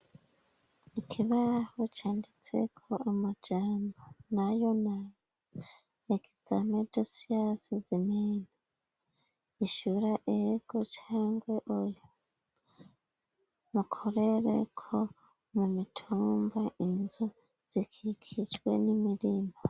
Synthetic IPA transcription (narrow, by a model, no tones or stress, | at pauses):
ikʰiβahot͡ʃaːndit͡se̞̰kʰo̞amad͡ʒaːmbonajo̞naj | ekʰi̥z̥amedosiasizimena | iʃuɾaʔeɡ̥ot͡ʃaːŋɡweʔojo | mukʰoɾeɾḛkʰo | mumitʰuːmbaʔinzu | z̥ikʰikʰit͡ʃwe̞̰nimiɾimo